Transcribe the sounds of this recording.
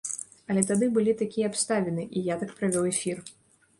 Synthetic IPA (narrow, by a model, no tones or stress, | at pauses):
ɐlʲɛt̪ad̪ɨbɨlʲit̪akʲijɛapst̪avʲɛnɨʔijat̪akpɾavʲɔwɛfʲir